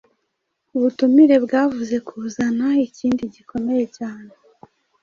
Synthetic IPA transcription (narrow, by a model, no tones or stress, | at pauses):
uβutumiɾe̞bɡaːvuze̞kʰuːzanaiciːndiɟikʰo̞me̞je̞caːne̞